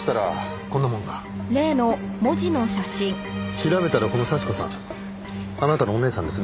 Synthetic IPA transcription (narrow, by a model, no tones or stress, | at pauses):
i̥t̪aɾa̰ | konːamõ̞ŋɡa | ɾe̞ːno̞mo̞d͡ʑino̞ɕaɕĩŋ | çiɾabe̞t̪aɾako̞no̞saɕi̥ko̞sã̰ŋ | anat̪anoːne̞ːsã̰nd̪e̞sɨn